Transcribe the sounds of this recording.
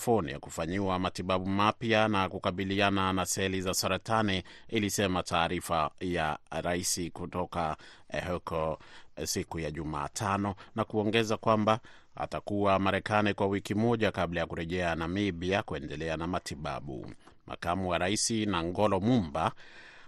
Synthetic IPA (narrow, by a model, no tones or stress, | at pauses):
fɔnḭja̰kufaɲiwamatiɓaɓumapjanakukaɓiliananasɛlizasaɾataniːlisɛmatʰaːɾifaja̰ɾaisikutɔka | hɛkɔsikujaʄuma̰ːtʰanɔnakuɔŋɡɛzakwamba | a̰takuwamaɾɛkanikwawikimɔʄakablajakuɾɛʄɛanamibiakuɛndɛlɛanamatiɓa̰ɓṵmʔa̰kamuwaɾaisinaŋɡɔlɔmumba